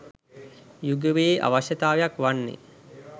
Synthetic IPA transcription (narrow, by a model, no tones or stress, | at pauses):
juɡəʋeːʔa̰ʋaɕət̪aːʋjakʋanːḛ